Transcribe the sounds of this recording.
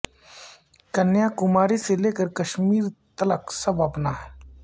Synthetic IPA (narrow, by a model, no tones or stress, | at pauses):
kɐnjakʊmaːɾiseleːkəɾkɐʃmiːɾt̪ɐləksɐbɐpnaɦɛː